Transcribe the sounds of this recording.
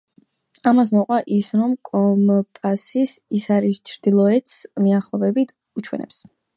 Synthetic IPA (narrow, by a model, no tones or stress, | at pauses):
amas̬mɔqʼwaʔisɾɔmkʼɔmpʼasisisaɾist͡ʃʰɾd̪̥ilˠɔɛt̪smiaχlˠɔbɛbit̪ʰ | ut͡ʃʰwɛ̰nɛ̰ps